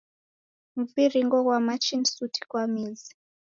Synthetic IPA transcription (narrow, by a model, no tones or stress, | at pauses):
m̩viriŋɡɔɣwamat͡ʃinsutʰi̥kwamizi̥